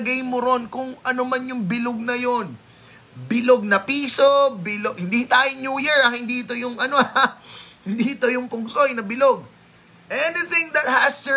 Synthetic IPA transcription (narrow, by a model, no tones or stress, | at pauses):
ɡɐjmoɾo̞nkʊŋʔɐnomanjʊŋbɪloɡ̚nɐjon | bɪloɡ̚nɐpiːso̞bɪloɡhɪnd̪it̪aːjonjuːjɛɹɐŋhɪnd̪iʔɪt̪o̞jʊŋɐno | hɪnd̪iɪt̪ojʊŋpʊŋsojnɐbɪloɡ̚ | ʔɛnɪθɪ̃ŋd̪ɐt̪̚hɐs